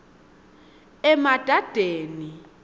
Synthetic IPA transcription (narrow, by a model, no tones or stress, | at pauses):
ɛmad̥ʱad̥ʱeːni